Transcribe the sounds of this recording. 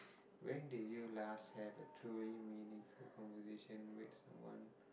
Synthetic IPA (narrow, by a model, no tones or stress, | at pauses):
wɛ̃ndijulashɛvətʰɹuliminɪ̃ŋfulkʰɔ̃nvəziʃə̃nwɪ̰tsãmwʌ̰̃n